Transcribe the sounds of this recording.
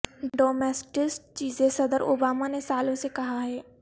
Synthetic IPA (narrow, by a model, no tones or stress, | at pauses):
ɖoːmɛːsʈɪst͡ʃiːzẽsɐd̪əɾoːbaːmanesaːlõsekɐɦaɦɛː